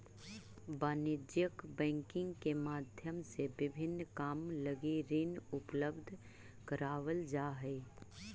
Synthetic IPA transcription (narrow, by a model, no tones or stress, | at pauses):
baːnɪd͡ʒjəkbɛ̃ːŋkɪ̃ŋɡkemaːd̪ʱjəmsebɪbʱɪnːkaːmləɡiɾinʊpləbd̪ʱ | kəɾaːʋəld͡ʒaːɦɛː